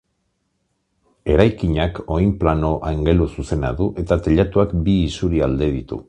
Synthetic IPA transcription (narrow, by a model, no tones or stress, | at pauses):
e̞ɾajkiɲako̞jmplano̞ʔaŋɡe̞lususe̞na̰ðuʔe̞t̪at̪eʎat̪uakbiːsuɾiald̪e̞ð̞it̪ṵ